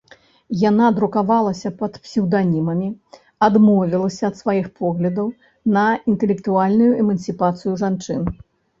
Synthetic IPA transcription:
janad̪ɾukavalˠɐsʲɐpɐt̪psʲɛwd̪anʲimɐmʲi | ad̪mɔvʲilˠɐsʲɐːt̪svajixpɔɣlʲɐd̪ɐw | nɐint̪ɛlʲɛkt̪ualʲnujuʔɛmɐnsʲɨpat̪sɨjuʐant͡ʂɨn

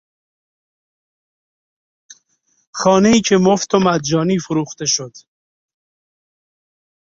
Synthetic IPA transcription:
xɒːneiːcʰemoft̪ʰomæd̪̚d͡ʒɒːniːfuɾuːxt̪eʃod̪̥

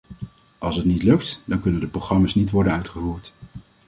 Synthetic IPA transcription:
ʔɑlˠsətnitlɵktdɑŋkɵnəndəproχrɑmaːsnitʋɔɹdənœɥtχəvuːɹt

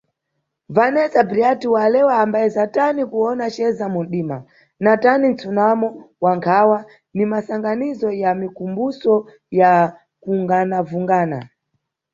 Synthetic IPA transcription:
vanɛzabɾiatiwalɛwaːmbajɛzatanikuɔnat͡ʃɛzamun̩ɗiːma̰ | natanin̩t͡sunamɔwaŋkʰawa | nimasaŋɡanizɔjamikumbusɔ | ja | kuŋɡanavuŋɡaːna̰

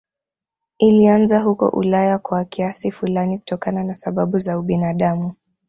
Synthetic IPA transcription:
ilianzaɦukɔ̰ʔṵlajakwakiasifulaniku̥tɔkananasaɓaɓuzauɓinaɗamu

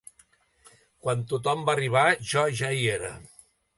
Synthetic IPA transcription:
kwant̪ut̪ɔmbariβ̞aʒɔʒaieɾə̰

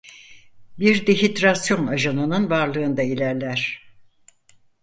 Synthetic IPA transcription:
biɾd̪eɦit̪ɾasjo̞naʒanɯnɯnvaɾlˠɯːnd̪ailʲæɾlʲæɾ̥

